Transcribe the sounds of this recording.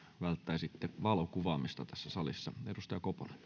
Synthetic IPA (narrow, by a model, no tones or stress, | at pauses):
ʋælt̪ːæisit̪ːeʋɑlokuʋɑːmist̪ɑt̪æsːæsɑlisːɑ̰edust̪ɑjɑkoponɑ̥